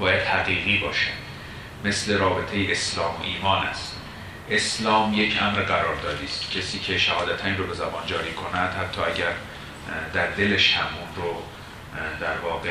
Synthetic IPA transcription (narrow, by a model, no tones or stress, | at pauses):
bɒːjæd̪̥hæɣiːɣiːbɒːʃe | me̞sle̞ɾɒːbe̞t̪ʰejeʔeslɒːmo̰ʔiːmɒːnæ̰st̪ | ʔe̞slɒːmje̞cʰʔæmɾɢæɾɒːɾd̪ɒːd̪iːst̪cʰesiːcʰeʃæhɒːd̪æt̪ʰænɾobe̞zæbɒːnd͡ʒɒːɾiːkʰo̞næd̪̥hæt̪ʰːɒːæɟæɾ | d̪æɾd̪e̞leʃhæmuːnɾo | d̪æɾvɒːɣe